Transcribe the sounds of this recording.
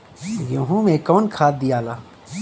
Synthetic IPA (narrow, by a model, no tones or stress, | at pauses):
ɡjõːɦũmẽkɔːnkʰaːd̪̚d̪ijaːlaː